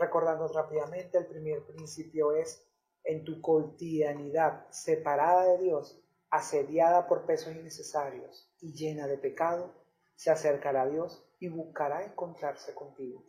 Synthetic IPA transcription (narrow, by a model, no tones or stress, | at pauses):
re̞ko̞ɾðand̪orapiðamẽ̞nt̪e̞ːlpɾime̞ɾpɾinsipjo̞e̞s | e̞nt̪uko̞lt̪iðaniðaðse̞paɾaðaðe̞ðjo̞s | ase̞ðjaðapo̞ɾpe̞so̞sine̞se̞saɾjo̞̰s | iʝe̞naðe̞pe̞kað̞o̞ | se̞ase̞ɾkaɾaːðjo̞s | iβuhkaɾae̞ŋko̞nt̪ɾaɾse̞ko̞nt̪iɣo̞